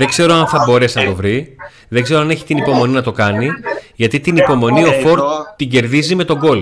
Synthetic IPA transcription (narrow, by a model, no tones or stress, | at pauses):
ðeɡze̞ɾo̞ɐnθɐbo̞ɾe̞sinɐt̪o̞vɾi | ðe̞ɡze̞ɾoɐne̞çi̥t̪inipo̞mo̞ninɐt̪o̞kɐniʝɐt̪it̪inipo̞mo̞nio̞fo̞ɾt̪t̪ːiɟe̞ɾðizime̞t̪o̞ɡo̞l